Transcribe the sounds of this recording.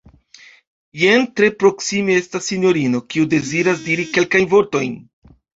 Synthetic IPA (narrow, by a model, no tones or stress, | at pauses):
jentɾe̞pɾo̞ksimee̞stasːinjo̞ɾino̞kiude̞ziɾasdiɾike̞lkajnvo̞ɾto̞jn